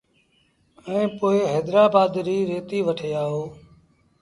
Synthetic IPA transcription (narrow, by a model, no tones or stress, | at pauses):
ɛ̃ːpoːeːɦeːd̪ɾaːbaːd̪ɾiːɾeːt̪iːʋəʈʰeːaːɦoː